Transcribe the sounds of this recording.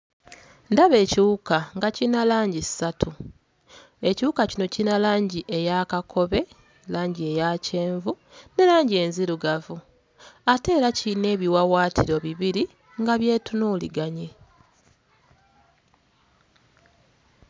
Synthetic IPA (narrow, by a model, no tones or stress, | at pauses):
ndaβe̞ːciwukaŋɡacinalaːɲɟisːatʰu | e̞ciwukacino̞cinalaːɲɟiʔe̞jakakʰo̞βe̞ | laːɲɟie̞jace̞ːɱvu | ne̞laːɲɟie̞nziɾuɡavu | ate̞ːɾacine̞ːβiwawaːtʰiɾo̞βiβiɾi | ŋɡaβje̞ːtunuːlḭɡaɲe